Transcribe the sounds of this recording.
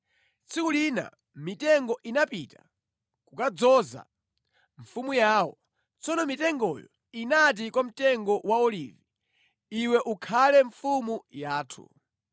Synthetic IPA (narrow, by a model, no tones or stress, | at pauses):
t͡sʰikulina̰ | mitɛŋɡɔʔinapita̰ | kukad͡zɔza̰ | ɱfumujaːwɔ | t͡sʰɔnɔmitɛŋɡɔjɔ̰ | inat̬ikwam̩tɛŋɡɔwaɔlivi | iwɛʔukʰalɛɱfumujaːtʰṵ